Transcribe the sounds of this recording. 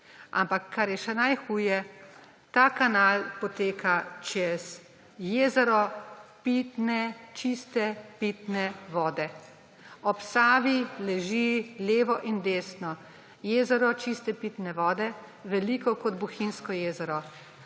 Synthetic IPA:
a̰mpakʰːaɾjɛʃɛnajxuːjɛ | t̪aːkanalpɔt̪eːkʰat͡ʃɛz | jeːzɛɾɔpit̪nɛt͡ʃist̪ɛpit̪nɛʋɔːd̪ɛ | ɔpsaːʋilɛʒileːʋɔʔind̪eːsnɔ | jeːzɛɾɔt͡ʃist̪ɛpiːt̪nɛʋɔːd̪ɛ | ʋɛlikɔkɔd̪buxinskɔjeːzɛɾɔ

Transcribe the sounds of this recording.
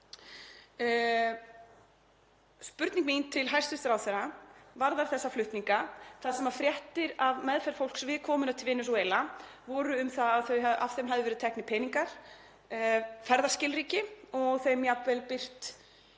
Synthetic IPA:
spʏɾt̪niŋkmint̪ʰɪlɦajr̥st̪ɪst̪ɾawθɛɾavaɾðaɾ̥θɛsːaflʏht̪niŋkaθaðsɛmafɾjɛht̪ɪɾavmɛðfɛɾfowlksvɪðkʰɔːmʏnat̪ʰɪlvɪnːʏsɔeːjlavɔːɾʏʏmθaaðθœɥaav̥θejmɦaðɪvɛɾɪðt̪ʰɛhknɪpʰɛjniŋkaɾ̥ | fɛɾðascɪlɾiːcɪɔɣθejmjapvɛlpɪr̥t̪

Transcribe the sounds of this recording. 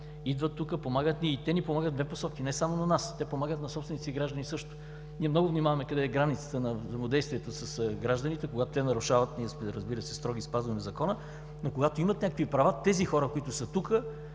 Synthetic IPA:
id̪vət̪ːukəpomaɡət̪niːt̪ɛnipomaɡəd̪d̪vɛposɔkinɛsamonɐnast̪ɛpomaɡət̪nɐsɔpst̪vɛnit̪iɡɾaʒd̪ənisɤʃt̪ʊ̥ | niɛmnɔɡʊvnimavɐmɛkɐd̪ɛːɡɾanit̪sə̥t̪ənɐvzəmod̪ɛjst̪viɛt̪osɐsɡɾaʒd̪ənit̪ɛkoɡat̪ot̪ɛnɐɾʊʃavɐt̪niɛsmɛɾəzbiɾəsɛst̪ɾɔɡ̟ispazvɐmɛvzɐkɔnə | nokoɡat̪oimɐt̪nʲɲʲakə̥kvipɾɐvat̪ɛzixɔɾəkoit̪ʊsət̪ukə

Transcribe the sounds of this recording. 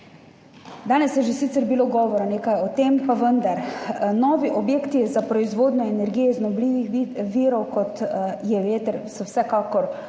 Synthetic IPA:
d̪aːnɛsjɛʒesit̪sɛɾbiloɡɔːʋɔɾaneːkajɔt̪eːmpaʋənd̪aɾnɔʋiʔɔbjeːkt̪ijɛzapɾɔizʋoːd̪nɔɛnɛɾɡijɛiznɔbliʋixʋiːɾɔwkɔt̪jɛʋeːt̪əɾsɔwsɛkaːkɔɾ

